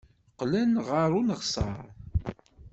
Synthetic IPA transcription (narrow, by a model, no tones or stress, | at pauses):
qːlænʁaɾˤunəʁsˤɑ̰ɾˤ